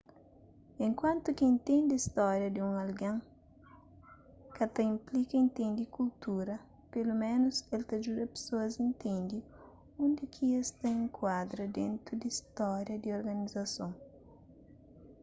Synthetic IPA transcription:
ẽŋkwãnt̪ukiẽnt̪ẽnd̪ɪist̪ɔɾjɐd̪iũŋɐlɡãŋ | kɐt̪ɐĩmplikɐẽnt̪ẽnd̪ikult̪uɾɐ | pelumẽnʊselt̪ɐd͡ʒuɾɐpe̥soɐzĩnt̪ẽnd̪i | ũnd̪ekʰiest̪ɐẽŋkʰwad̪ɾɐd̪ẽnt̪ɾud̪ist̪ɔɾjɐd̪ioɾɡɐnizɐsõŋ

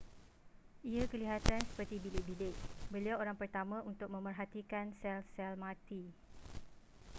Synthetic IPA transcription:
ʔiakəliɦat̪ansə̥pərt̪ibilɪʔ̚bilɪʔbəliawoɾaŋpərt̪amãunt̪ʊk̚mə̃mpərɦat̪ikansɛlsɛlmãt̪i

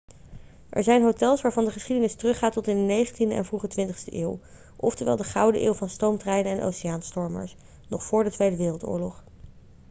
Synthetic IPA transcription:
ʔɛ̰ɹzɛjnɦotɛlˠsʋaːɹvɑndəχəsχidənɪstərɵχaːtɔtɪndənejχəntindəɛ̰nvruχətʋɪntəχstəʔeːw | ʔɔ̰ftəɹʋɛ̰lˠdəχɑwdəʔeːwˠvɑnstowmtrɛjnənɛnʔo̰wsɪjaːnstɔɹmə̰ɹs | nɔχfʊːɹdətʋejdəʋɪːrəlˠtʊ̰ːɹlɔχ

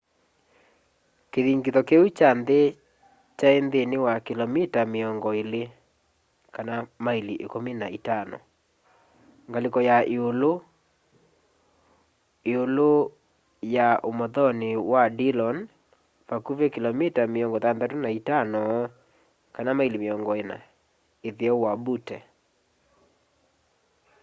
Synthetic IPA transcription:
keðiŋɡiðɔkeut͡ʃande | t͡ʃaend̪enewakilɔmitameɔŋɡɔele | kanamailiʔḛkomenaitanɔ̰ | ŋɡalekɔjaeolo | eolo | jaʔomɔðɔnewadilɔn | pakuvekilɔmitameɔŋɡɔtanðatonaitanɔ | kanamailimeɔŋɡɔena̰ | eðeɔwabutɛ

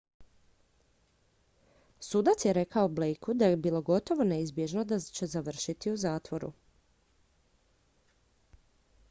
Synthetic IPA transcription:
suːd̪at̪sjeɾe̞kaoblejkud̪ajebiːlˠo̞ɡo̞t̪o̞ʋo̞ne̞izbje̞ʒnod̪at͡ɕe̞zaʋr̩ʃit̪iuzaːt̪ʋo̞ɾṵ

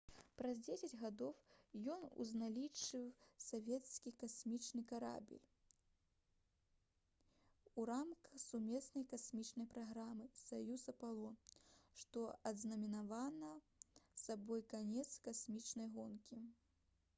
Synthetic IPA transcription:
pɾɐzʲd͡zʲesʲɐd͡zʲɣad̪ɔwjɔnṵznalʲit͡ʂɨwsavʲɛt̪skʲikasʲmʲit͡ʂnɨkaɾa̰bʲḭlʲ | uɾamkɐxsumʲɛsnɐjkasʲmʲit͡ʂnɐjpɾaɣɾamɨsajusɐpalˠɔʂt̪ɔɐd̪znɐmʲinavanɐ | sabɔjkanʲɛt̪skasʲmʲit͡ʂnɐjɣɔnkʲi

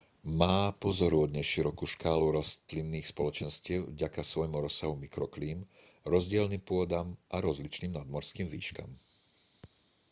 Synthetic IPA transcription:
maːpɔzɔɾuɔd̪ɲɛʃiɾɔkuːʃkaːluɾɔst̪linːiːxspɔlɔt͡ʃɛnscɪɛʊvɟakasʋɔjmuɾɔsːaɦumikɾɔkliːm | ɾɔzɟɪɛlniːmpʊɔd̪amʔaɾɔzlit͡ʃniːmnad̪mɔɾskiːmʋḭːʃka̰m

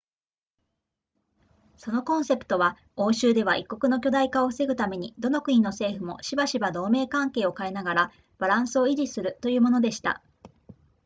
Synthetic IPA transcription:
so̞no̞kõ̞ɰ̃se̞pɯ̥t̪o̞βa | o̞ːɕɨːd̪e̞β̞aʔikːo̞kɯ̟no̞kʲo̞d̪aikaoɸɯ̥se̞ɡɯ̟t̪ame̞ɲ̟ḭd̪o̞no̞kɯ̟ɲĩno̞se̞ːɸɯ̟mo̞̰ɕibaɕibad̪o̞ːme̞ːkãŋke̞ːo̞kae̞naɡaɾa | b̥aɾãɰ̃sɨo̞iɾisɨɾɯ̟t̪o̞jɯ̟ːmo̞no̞d̪e̞ɕi̥t̪a̰

